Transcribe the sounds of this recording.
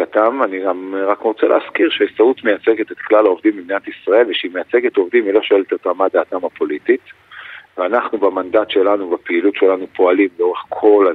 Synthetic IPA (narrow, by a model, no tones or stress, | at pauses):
kat̪ananiɡamʁakʁot͡sḛlḛːskiʁʃeesaut̪mejat͡se̞ɡet̪et̪klalaovdimbibniat̪isʁae̞lveʃeimejat͡se̞ɡet̪o̞vd̪imilo̞ʃoelet̪atamad̪aːt̪amapo̞litit | veanaχnubamandatʃe̞lanubapeilutʃe̞lanupʰo̞alimleo̞ʁeχkʰo̞la